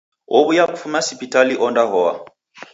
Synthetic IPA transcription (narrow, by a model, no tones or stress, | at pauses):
oβujakufumasipitaliʔɔndaɦɔa̰